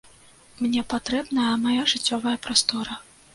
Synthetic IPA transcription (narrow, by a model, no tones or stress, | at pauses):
mnʲɛpat̪ɾɛbnɐjɐmajaʐɨt͡sʲːɔvɐjɐpɾast̪ɔɾɐ